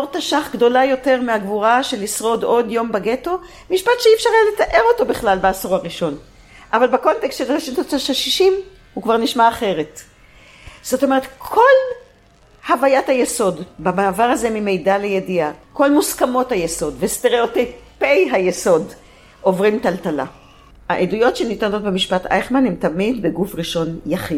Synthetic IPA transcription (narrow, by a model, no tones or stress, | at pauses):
oʁt̪aʃaχɡdo̞lajo̞te̞ʁmeaɡvuʁaʃelisʁo̞do̞djo̞mbaɡeto̞ | miʃpat̪ʃeiːfʃaʁaletaʔe̞ʁo̞to̞biχlalbeasoʁaʁiʃo̞n | ʔavalbako̞nte̞kstʃelaʁeʃint̪ot̪aʃelʃiʃim | hukvaʁniʃmaːχe̞ʁet | z̥o̞t̪o̞me̞ʁetkʰo̞l | havajathajeso̞dbamaːvaʁhaze̞mime̞jdalejediako̞lmuskamo̞thajeso̞dvesteʁeotejpejɦajeso̞d | ʔo̞vʁimtaltala̰ | haʔedujo̞tʃenitano̞tbemiʃpata̰jχmanhemt̪amidbeɡufʁiʃo̞njaχid